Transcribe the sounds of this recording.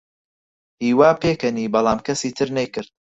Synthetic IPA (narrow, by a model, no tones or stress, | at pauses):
hiːwaːpeːkɐniːbɑlˠaːmkʰɐsiːt̪ʰɨɾnejkɨɾd̪̚